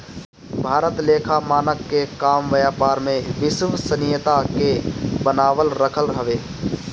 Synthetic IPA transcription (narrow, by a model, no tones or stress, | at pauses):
bʱaːɾət̪leːkʰamaːnəkːekaːmʋəjaːpaːɾmẽʋɪsʋsənɪjət̪akebənaːʋəlɾəkʰəlɦəʋeː